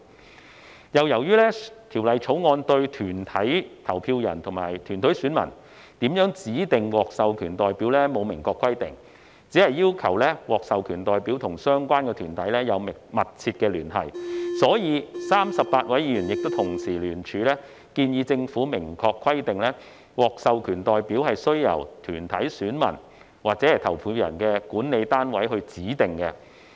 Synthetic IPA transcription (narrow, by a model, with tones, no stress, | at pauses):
jɐ˨wjɐ˨˩wjyː˥lɛː˥t̪ʰiː˨˩wlɐ˨jt͡ʃʰo˨˥wŋɔː˧nt̪ɵ˧ɥt̪ʰyː˨˩nt̪ʰɐ˨˥jt̪ʰɐ˨˩wpʰiː˧wjɐ̰˨˩nt̪ʰʊ˨˩ŋma̰ː˨˩jt̪ʰyː˨˩nt̪ʰɵ˨˥syː˨˥nmɐ̰˨˩n | t̪iː˨˥mjœː˨˥ŋt͡siː˨˥t̪ɪ˨ŋwɔː˨k̚sɐ˨wkʰyː˨˩nt̪ɔː˨jpiː˨˥wlɛː˥mo˨˧wmɪ˨˩ŋkɔː˧kʰwɐ˥jt̪ɪ̰˨ŋ | t͡siː˨˥hɐ˨jːiː˥wkʰɐ˨˩wlɛː˥wɔː˨k̚sɐ˨wkʰyː˨˩nt̪ɔː˨jpiː˨˥wt̪ʰʊ˨˩ŋsœː˥ŋkʷaː˥nkɛː˧t̪ʰyː˨˩nt̪ɐ˨˥jlɛː˥jɐ˨˧wmɪ˨˩ŋmɐ˨t̚t͡sʰiː˧t̚kɛː˧lyː˨˩nhɐ̰˨˩jsɔː˨˥jiː˨˧saː˥msɐ˨p̚paː˧t̚wɐ˨˥jiː˧yː˨˩njɪ˨k̚t̪o˥t̪ʰʊ˨˩ŋsiː˨˩lyː˨˩nt͡ʃʰyː˨˧lɛː˥ | kiː˧njiː˧t͡sɪ˧ŋfuː˨˥mɪ˨˩ŋkʰɔː˧kʰːwɐ˥jt̪ɪ˨ŋlɛː˥ | wɔː˨˩k̚sɐ˨wkʰyː˨˩nt̪ɔː˨jpiː˨˥whɐ˨jsɵ˥ɥjɐ̰˨˩wt̪ʰyː˨˩nt̪ʰɐ˨˥jsyː˨˥nmɐ̰˨˩n | waː˨k̚t͡sɛː˨˥hɐ˨˩jt̪ʰɐ˨˩wpʰuː˨˧jɐ̰˨˩nkɛː˧kuː˨˥nne˨˧jt̪aː˥nwɐ˨˥jɦɵ˧ɥt͡siː˨˥t̪ɪ˨ŋkɛ˧